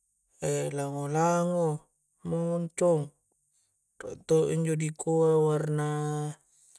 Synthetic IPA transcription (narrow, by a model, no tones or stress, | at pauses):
elaŋolaŋo | moŋɲt͡ʃoŋ | ro̰ʔt̪oʔiɲd͡ʒodikoawarna